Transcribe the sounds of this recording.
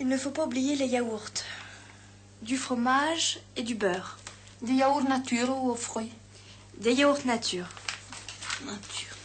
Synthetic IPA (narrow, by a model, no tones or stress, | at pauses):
ilnəfopaublijelejauʁt̪ | d̪yfχɔmaʒed̪ybœːʁ | d̪ejauʁt̪nat̪yʁuofχi | d̪ejauʁt̪nat̪ʰyːʁ | at̪